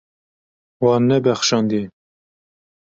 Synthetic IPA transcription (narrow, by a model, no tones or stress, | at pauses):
wɑnːɛbɛxʃɑːnd̪i